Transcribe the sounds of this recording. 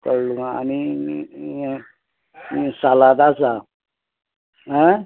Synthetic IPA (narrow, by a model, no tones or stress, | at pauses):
kəɾluŋaa̰ni | salad̪at͡sa | ɦə